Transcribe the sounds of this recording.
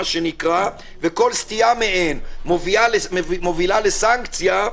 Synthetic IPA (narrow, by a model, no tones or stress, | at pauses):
ʃenikʁa | veko̞lst̪ijameʔenmovialeimovilalesaŋkt͡sja